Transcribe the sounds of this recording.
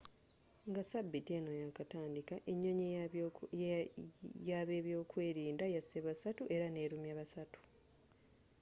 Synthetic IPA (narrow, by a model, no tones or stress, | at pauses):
ŋɡasabːitienojakataːndikaʔeɲːoɲ | jaβe̞ːβjo̞ːkwe̞ːɾiːndajaseβasatuʔe̞ɾane̞ːɾumjaβasatu̥